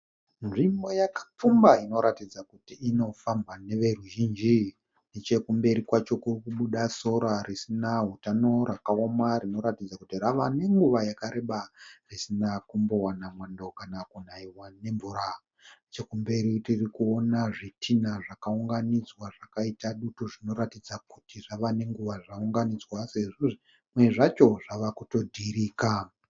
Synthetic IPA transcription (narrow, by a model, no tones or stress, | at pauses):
nʐimbo̞jakḁp͡fumbaino̞ɾatid͡zakutiːno̞fambane̞ʋe̞ruʒind͡ʒi | net͡ʃe̞kumbe̞ɾikwat͡ʃo̞kurkuɓuɗaso̞ɾarisinaɦutano̞ɾakao̞marino̞ɾatid͡zakutiraʋane̞ŋɡuʋajakaɾe̞ɓarisinakumbo̞wanamwandokanakunaiwane̞ɱvuɾa | t͡ʃekumbe̞ɾitirikuonaʐitʰinaʐakauŋɡanid͡zwaʐakaitaɗutoʐino̞ɾatid͡zakutiʐaʋane̞ŋɡuʋaʐauŋɡanid͡zwase̞ʐoʐi | mwe̞ʐat͡ʃo̞ʐaʋakuto̞dʱiɾiːka